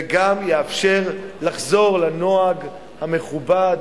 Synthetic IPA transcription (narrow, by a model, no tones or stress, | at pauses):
ɡamjeafʃe̞ʁlaχzo̞ʁlano̞aɡ | hame̞χubad